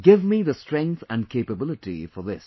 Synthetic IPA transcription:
ɡɪvmiðəsʈɾɛ̃ŋkθæ̃nɖkʰeɪpəbɪlɪʈḭfɔðɪs

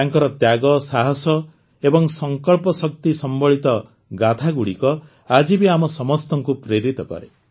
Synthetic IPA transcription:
aŋkɔɾɔt̪jaɡɔsaɦɔsɔ | ebɔŋsɔŋkɔɭpɔsɔkt̪isɔmbɔɭit̪ɔ | ɡat̪ʰaɡuɽikɔ | ad͡ʒibiamɔsɔmɔst̪ɔŋkupɾeɾit̪ɔkɔ̰ɾḛ

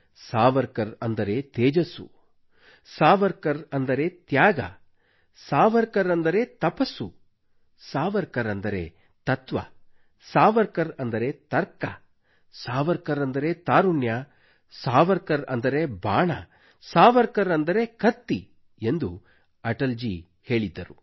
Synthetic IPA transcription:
saːʋɐɾkɐɾɐnd̪ɐɾet̪eːd͡ʒɐsṵ | saːʋɐɾkɐɾɐnd̪ɐɾe̞t̪jaːɡɐ̰ | saːʋɐɾkɐɾɐnd̪ɐɾe̞ːt̪ɐpɐsu | saːʋɐɾkɐɾɐnd̪ɐɾḛː | t̪ɐt̪ʋɐ̰ | saːʋɐɾkɐɾɐnd̪ɐɾe̞t̪ɐɾkɐ̰ | saːʋɐɾkɐɾɐnd̪ɐɾe̞t̪aːɾuɳja | saːʋɐɾkɐɾɐ̰nd̪ɐɾebaːɳɐ̰ | saːʋɐɾkɐɾɐnd̪ɐɾe̞kɐt̪ːi | e̞nd̪u | ɐʈɐld͡ʒi | he̞ːɭid̪ːɐɾu

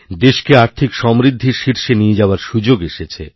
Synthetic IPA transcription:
d̪eʃkeaɾt̪ʰikʃɔmɾid̪ʱːiɾʃiɾʃenijed͡ʑaoaɾʃud͡ʑoɡeʃet͡ɕʰḛ

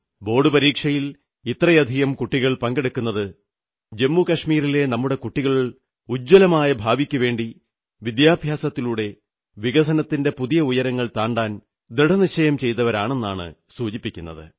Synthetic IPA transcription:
bo̞ːɽɨpɐɾiːkʂɐjil | it̪rɐjɐd̪ʱiɣɐmkuʈːiɣɐɭpɐŋɡe̞ɽukːunːɐðɨ | d͡ʑe̞mːukɐʂmiːɾile̞nɐmːuɽe̞kuʈːiɣɐɭ | ud͡ʑːɐlɐmaːjɐbʱaːbikʲːuʋe̞ːɳɖi | ʋid̪jaːbʱjaːsɐt̪ːiluɽe̞ | ʋiɡɐsʰɐnɐt̪ːinde̞puðijɐujɐɾɐŋːɐɭt̪aːɳɖaːn | d̪ɾiɽɐniɕɐjɐmt͡ɕe̞jt̪ɐʋɐɾaːɳe̞nːaːɳɨ̰suːt͡ɕipːikʲːunːɐ̰ðɨ̰

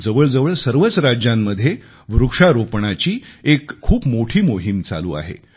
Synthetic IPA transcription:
d͡zəʋəɭd͡zəʋəɭsəɾʋət͡sɾad͡ʑjamːəd̪ʱːje | ʋɾukʂaɾopɳat͡ɕiːekʰːuːpmoʈʰiːmoɦimt͡sa̰lṵːa̰ɦḛ

